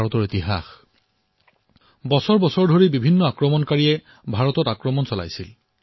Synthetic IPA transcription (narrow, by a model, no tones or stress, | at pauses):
ɔtɔɹitiɦa̰x | bɔsɔɹbɔsɔɹdʱoɹibibʱinːɔakɹɔmɔnkaɹiɛ | bʱaɹɔtɔtakɹɔmɔnsɔla̰jsil